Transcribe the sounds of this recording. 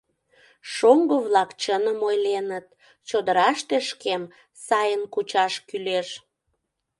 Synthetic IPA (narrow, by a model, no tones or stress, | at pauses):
ʃoŋɡoβlɑkt͡ɕənəmojlenət̪̚ | t͡ɕod̪əɾɑʃt̪eʃkem | sɑjənkut͡ɕɑʃkyleʃ